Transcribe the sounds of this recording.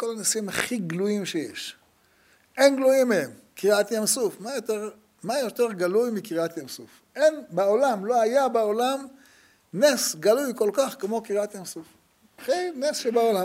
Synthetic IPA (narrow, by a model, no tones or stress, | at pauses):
ko̞lanasimaχiɡlujimʃejḛʃ | enɡlujimːeem | kiʁat̪jamsufmajot̪eʁ | majot̪e̞ʁɡalujmikiʁat̪jamsuf | ʔenbaolamlo̞ajabaolam | nesɡalujko̞lkaχkemo̞kiʁat̪jamsuf | χinesʃebaolam